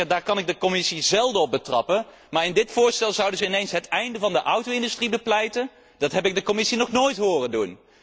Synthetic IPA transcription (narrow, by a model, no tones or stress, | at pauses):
daːɹkɑnɪɡ̚dəkɔmɪsizɛlˠdəɔp̚bətrɑ̰pən | maːɹɪndɪtfʊːɹstɛlˠzʌwdənzəɪnejnsɦətɛjndəvɑndəʔʌwtowɪndystribəplɛjtən | d̥ɑtɦɛpɪɡ̚dəkɔmɪsinɔχnoːjtɦʊːrəndun